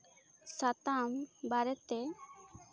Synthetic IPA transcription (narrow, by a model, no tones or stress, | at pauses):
sat̪ambaɾɛt̪ɛ